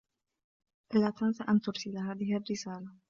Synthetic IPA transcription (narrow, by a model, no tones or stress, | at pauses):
ʔlaːt̪ansaʔant̪ʊɾsɪlɦaːðɪharːɪsaːla